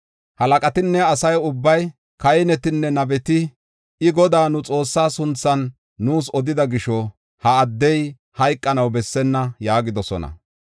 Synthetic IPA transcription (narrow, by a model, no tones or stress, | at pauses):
hɐlɐkʼɐt̪ɪnːɛɐsɐjʊbːɐj | kɐjɪnɛt̪ɪnːɛnɐbɛt̪ɪ | ɪɡɔd̪aːnʊt͡sʼo̞ːsːaːsʊnt͡sːɐnː | uːsɔd̪ɪd̪ɐɡɪʃɔ | hɐːd̪ːɛj | hɐjkʼːɐnɐwbɛsːɛnːɐjaːɡɪd̪ɔsɔ̰nɐ̰